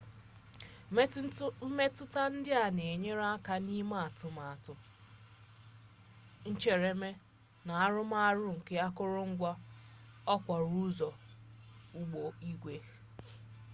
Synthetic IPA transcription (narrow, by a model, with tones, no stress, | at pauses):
m̩˦me˦tʊ˦ta˦n̩˦dɪ˦a˨ne˨ɲe˦ɾa˦a˦ka˦ni˦ma˦a˨tʊ˨ma˨a˨tʊ˦ | n̩˦t͡ʃe˨ɾe˨me˦ | na˨a˦ɾʊ˦m˦a˦a˦ɾʊ˦ŋ̩˨ke˦a˦kʊ˦ɾʊ˦ŋ̩˦ɡʷa˦ | ɔ˦kʷa˨ɾu˦zɔ˨ | u˦ɡ͡bo˨i˦ɡʷe˦